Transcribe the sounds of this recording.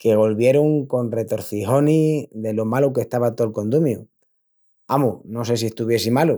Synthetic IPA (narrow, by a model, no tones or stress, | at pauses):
ke̞ɣ̞o̞lβje̞ɾoŋko̞nre̞t̪o̞ɾθixo̞niðe̞lomalok̬e̞ht̪aβat̪olko̞nd̪umju | amuno̞se̞sie̞ht̪uβje̞simalu